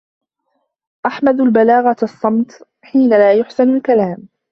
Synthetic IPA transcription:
ʔaħmad̪ʊlbalaːɣaʔɑsˤːɑmt̪ | ħiːnalaːjʊħsɪnʊlkalaːm

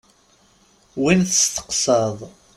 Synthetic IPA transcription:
winθəst̪ːə̥qsəðˤ

